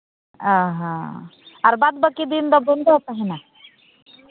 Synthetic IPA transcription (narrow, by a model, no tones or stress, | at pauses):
aɦã̰ | aɾbad̪bəkid̪ind̪ɔbond̪op̪aɦina